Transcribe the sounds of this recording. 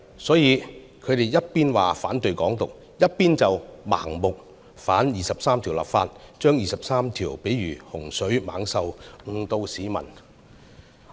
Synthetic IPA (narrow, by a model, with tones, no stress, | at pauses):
sɔː˨˥jiː˨˧ | kʰɵ˨˧t̪e˨˩jjɐ˥t̚piː˥nwaː˨faː˨˥nt̪ɵ˨ɥkɔː˨˥ŋt̪ʊ˨k̚ | jɐ˥t̚piː˥nt͡sɐ˨wma̰ː˨˩ŋmʊ˨k̚ | faː˨˥njiː˨sɐ˨p̚saː˥mt̪ʰiː˨˩wla̰ː˨pfaː˧t̚t͡ʃœː˥ŋjiː˨˩sɐ˨p̚saː˥mt̪ʰiː˨˩wpe˨˥jɥyː˨˩hʊ˨˩ŋsɵ˨˥ɥma̰ː˨˧ŋsɐ˨˧wŋ̩˧t̪o˧wsiː˨˥mɐ̰˨˩n